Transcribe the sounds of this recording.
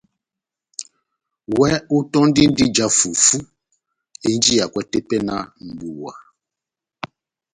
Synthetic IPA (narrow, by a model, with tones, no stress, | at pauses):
wɛ˦u˦tɔ˦ndi˦n˦di˦d͡ʒa˦fu˨fu˦ | e˦n˦d͡ʒi˦ja˨kwɛ˦te˦pɛ˦na˦m̩˨bu˨wa̰˨